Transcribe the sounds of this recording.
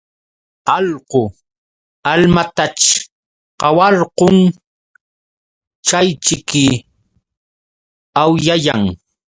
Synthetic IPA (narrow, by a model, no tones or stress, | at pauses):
ɑlqo | almat̪at͡ʃ | qɑwɑɾqoŋ | t͡ʃajt͡ʃɪkɪ | awjajaŋ